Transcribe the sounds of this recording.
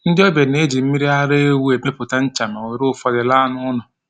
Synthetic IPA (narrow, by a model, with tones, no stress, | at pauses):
n̩˦dɪ˦ɔ˦be˨ne˦d͡ʒi˨m̩˦mi˦ɾi˦a˦ɾe˦e˦wu˦e˨me˦pʊ˨ta˦n̩˦t͡ʃa˨me˨we˨ɾʊ˦˨fɔ˦dɪ˨la˦nʊ˦nʊ˨